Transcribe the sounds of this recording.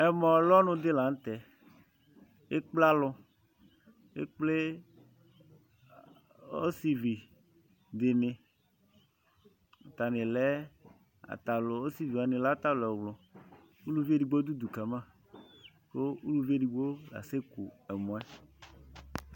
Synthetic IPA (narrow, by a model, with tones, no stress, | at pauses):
ɛ˨mɔ̃˨lɔ˦nʊ̃˦d̪ɪ˦la˨n˦t̪ɛ˨ | e˦k͡pla˦lʊ˦ | ḛ˦k͡ple˦ | o̰˦si˨vi˨ | d̪ɪ˨nɪ̃˨ | a˨t̪a˨nɪ̃˨lɛ˦ | a̰˨t̪a˨lo˦si˨vi˨a˨nɪ̃˨la˦t̪a˦lɛ˨wlʊ˨ | u˦lu˦ve˦ɖi˨ɡ͡bo˦d̪u˦d̪u˨ka˨mã˦˨ | ko˦u˦lu˨˦vi˦e˦ɖi˨ɡ͡bo˦la̰˨se˦ku˨ɛ˨mɔ̃˨˦ɛ˦